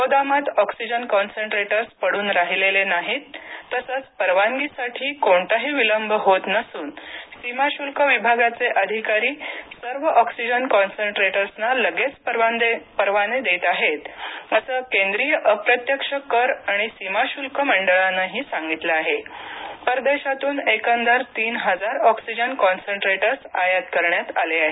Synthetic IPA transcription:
pod̪amat̪ɔksid͡ʑənkɔnseɳʈɾeʈəɾspəɽuːnɾaɦilelenaɦiːt̪ːəsət͡spəɾʋaŋɡisaʈʰiːkoɳt̪aɦiːʋiləmbʱɦot̪nəsuːnsimaɕulkəʋibʱaɡat͡seʔəd̪ʱikaɾiːsəɾʋəʔɔksid͡ʑənkɔnseɳʈɾeʈəɾsnaləɡet͡spəɾapəɾʋaned̪et̪aɦet̪əsəkend̪ɾijəʔəpɾət̪jəkʂəkəɾaɽ̃isimaɕulkəməɳɖəɭanəɦiːsaŋɡit̪leaɦepəɾd̪eɕat̪uːnekənd͡zaɾt̪iːnɦəd͡zaɾɔksid͡ʑənkɔnseɳʈɾeʈəɾsajat̪kəɾɳjat̪a̰leaɦe

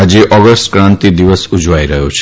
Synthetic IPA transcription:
ad͡ʒeʔɔɡəsʈkɾãnt̪id̪iʋəsud͡ʒʋaiɾəɦjot͡ʃʰ

